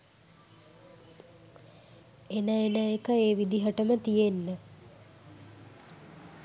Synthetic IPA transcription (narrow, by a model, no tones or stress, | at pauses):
enəenəekəeːʋid̪iɦəʈəmət̪ijenːə